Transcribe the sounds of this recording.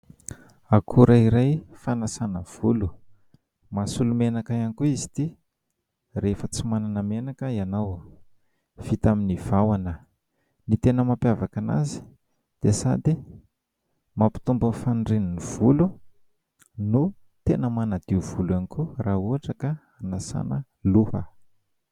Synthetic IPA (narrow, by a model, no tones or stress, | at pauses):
akʰuɾʔaiɾajfanasanəv̥ulu | masulumenakaanikuizi̥t̪i | refət͡simananamenakəianaw | v̥it̪aminiv̥awanə | nit̪enəmapjavakana̰zi̥ | d̪̥esad̪i | mapi̥t̪umbənfanɖ͡ʐeniniv̥ulu | nu | t̪enəmanad̪̥iuv̥ulanikuraɦuaʈ͡ʂəka | anasa̰nə̰ | luhə̰